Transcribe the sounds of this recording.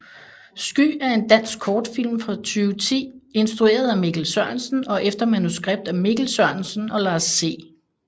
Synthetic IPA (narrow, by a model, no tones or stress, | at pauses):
sɡ̥y̰ːæɐe̝nd̥æn̰sɡ̥kʰːɒːd̥fil̰mfʁɑ̈t͡sʰyːʊət͡sʰḭːe̝nsd̥ʁue̝̰ːɐð̞ˠæmiɡ̥l̩sɶɐnsn̩ɒ̽ʔefd̥ɐmænusɡ̥ʁeb̥̚d̥æmiɡ̥l̩sɶɐ̰nsn̩ɒ̽lɑ̈ːsːe̝̰ː